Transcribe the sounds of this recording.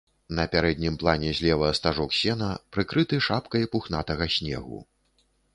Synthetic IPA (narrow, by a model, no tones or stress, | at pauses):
nɐpʲaɾɛd̪ʲnʲimplˠanʲɛzʲlʲɛvɐɐst̪aʐɔksʲɛnɐpɾɨkɾɨt̪ɨʂapkɐjpuxnat̪ɐɣɐsʲnʲɛ̰ɣṵ